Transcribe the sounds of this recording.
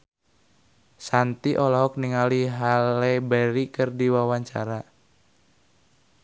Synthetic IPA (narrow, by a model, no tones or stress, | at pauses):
sant̪iʔɔlɔɦɔk̚niŋaliɦalɛbɛɾikɨrdiwawaɲt͡ʃa̰ɾa